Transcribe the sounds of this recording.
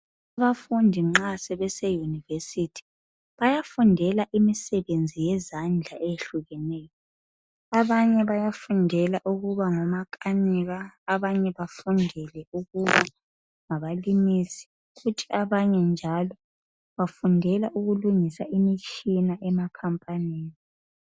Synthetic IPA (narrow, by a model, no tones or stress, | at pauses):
aβafundʱiŋ͡ǁasɛβɛsɛjunivesitʰi̥ | βajafundʱɛlaʔimisɛβend͡zʱijɛzand͡ɮʱaʔeeɬuɣɛnɛːjɔ | aβaɲɛβajafundʱɛlaʔuɣuβaŋɔmakʰʼaniɣaːβaɲɛβafundʱɛlɛuɣuβa | ŋaβalimisi̥ | futʰi̥ʔaβaɲɛnd͡ʒʱalɔ | βafundʱɛlaʔuɣuluŋisaʔimit͡ʃʼinaʔɛmakʰampʼaniːni